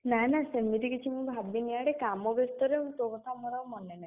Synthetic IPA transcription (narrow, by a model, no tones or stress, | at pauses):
nanasemit̪ikit͡ʃʰimũbʱabiniaɽekamɔbest̪ɔɾeũt̪okɔt̪ʰamɔɾawmɔnena